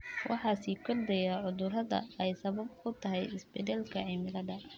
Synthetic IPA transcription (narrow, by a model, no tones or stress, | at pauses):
wɑ̰ħɑːsiːkʰɔrd̪ɛjaʕʊðʊrɐðɐ̰ɛjsɐβɐb̚kʰʊt̪ʰɐɦɛjɪsbɛd̪ɛlkʰɐʕɪmɪlɐdɐ